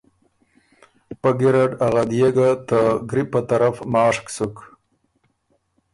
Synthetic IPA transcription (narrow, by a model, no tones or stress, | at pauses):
paɡiɾaɖaɣad̪jeɡat̪aɡɾipːət̪aɾafmɑːʂksuk